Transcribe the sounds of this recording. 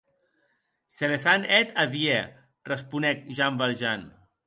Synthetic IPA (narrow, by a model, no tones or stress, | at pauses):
selesanɛt̪ʰaβje | rəspunɛk̚ʒambalʒan